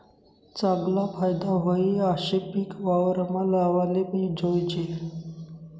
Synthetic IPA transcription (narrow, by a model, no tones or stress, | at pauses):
t͡saɡlapajd̪aɦoiaɕepikʋaʋɾəmalaʋalepid͡ʑʱojd͡ʑe